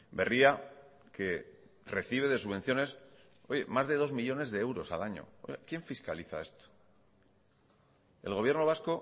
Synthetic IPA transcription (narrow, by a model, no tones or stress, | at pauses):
be̞ria | ke̞ | re̞θiβ̞e̞ðe̞suβẽ̞n̟θjo̞ne̞s | o̞ʝe̞mazðe̞ðo̞zmiʎo̞ne̞zðe̞ewɾo̞sa̰laɲo̞̰o̰jakje̞ɱfiskaliθa̰e̞st̪o̥ | e̞̰lɣo̞βje̞ɾno̞β̞asko̞